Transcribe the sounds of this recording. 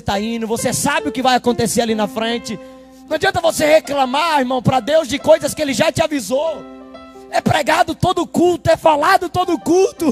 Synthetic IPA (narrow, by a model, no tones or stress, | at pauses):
t̪aĩnd̪ʊvosesabɪʊkɪvajakõnt̪eseɾalinɐfɾẽt͡ʃɪ | nɐ̃w̃ad͡ʒiɐ̃t̪ɐvoseheklɐ̃maɾiɾmɐ̃w̃pɾɐd̪ewzd͡ʒɪkojzɐskɪelɪʒat͡ʃɪavizow | ɛpɾɛɡad̪ʊt̪od̪ʊkuwt̪ʊɛfalad̪ʊt̪od̪ʊkuwt̪ʊ